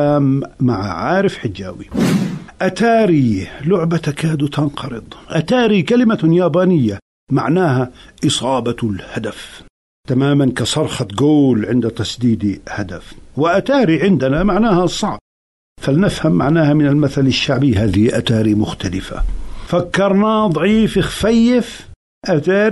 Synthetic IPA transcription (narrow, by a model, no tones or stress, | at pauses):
aːmːaʕaʕaːɾɪfħɪd͡ʒːa̰ːwiʔat̪aːɾilʊʕbat̪akaːd̪ut̪ʰɑnqɑɾɨd̪ˤʔat̪aːɾikalɪmajaːbaːnɪjːa | ma̰ʕnaːɦaʔɨsˤɑːbɑlhad̪af | t̪amaːmankɑsˤɑɾˤxɑt̪ɡoːlʕɪnd̪at̪asˤd̪iːd̪had̪afwɪʔat̪aːɾiʕɪnd̪anamaʕnaːhasˤɑʕb̥̚ | falnɪfhamːaʕnaːhamɪnɪlmaθalɪʃːaʕbihaːðɪhiʔat̪aːɾimʊxt̪alɪfa̰fakːɑɾˤnad̪ˤʕiːfɪxfajːɪf | ʔat̪aːɾ